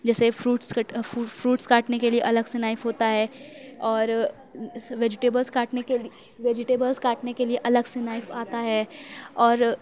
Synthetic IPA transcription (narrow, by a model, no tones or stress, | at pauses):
d͡ʒɛːsefɾuːʈsfufɾuːʈskaːʈnekelieʔɐləɡsenaːɪfɦoːt̪aɦɛːɔːɾ | ʋeːd͡ʒɪʈeːbəlskaːʈnekel | ʋeːd͡ʒɪʈeːbəlzkaːʈnekelieʔɐləɡsenaːɪfaːt̪aɦɛːɔːɾ